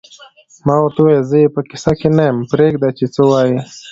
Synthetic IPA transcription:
mɑːwɾt̪uwajzəjepəkɪ̥sakenajəmpɾeɡd̪at͡ʃet͡səwaːje

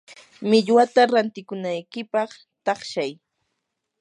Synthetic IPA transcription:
mɪʎwat̪aɾant̪ɪkʊnajkɪpɑχ | t̪ɑχʃaj

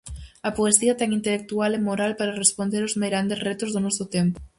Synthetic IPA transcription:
ɐpoesiɐt̪eŋint̪elek̚t̪ualemoɾalpaɾarespond̪eɾozmejɾand̪eret̪ozðonɔsot̪empo̥

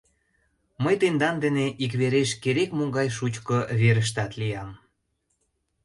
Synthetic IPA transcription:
məjt̪end̪ɑnd̪eneʔikβeɾeʃkeɾekmoŋɡɑjʃut͡ɕkɤβeɾəʃ̬t̪ɑt̪lijɑm

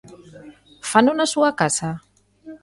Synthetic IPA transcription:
fanunasuakasa

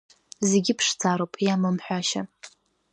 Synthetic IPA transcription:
zeɡʲɪpʰʂt͡sʰaɾowpʼjamɨmħʷᶣaʃa

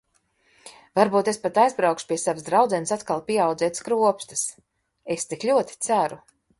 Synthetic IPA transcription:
vaɾbuːt̪espat̪ajzbɾawkʃu̥pʲiɛsavsd̪ɾawd̪zɛnsat̪kalˠpʲiɛawd̪zɛɛt̪skɾuɔpst̪ɨs | est̪iklʲuɔt̪i̥t̪sæɾu

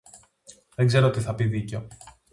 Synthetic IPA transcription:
ðeŋɡze̞ɾoot̪iθɐpiðiceo

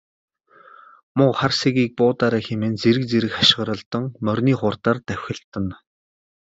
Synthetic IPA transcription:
mʊqχarseɣiːk̚pʊːt̪aːɾaːxemĕnt͡seɾɘ̆k̚t͡seɾɘ̆kχaʃɪ̆ʁɾə̆ɮt̪ə̆ŋmœrʲniːχʊrt̪aːrt̪æwʲxʲɪ̆ɮt̪ə̆n

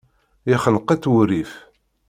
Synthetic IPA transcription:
iχənqːæt͡s̪ːwuɾif

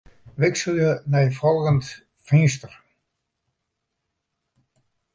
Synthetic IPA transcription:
ʋɪksəlˠjənɛjfɔlˠɣənt | fɪŋstər

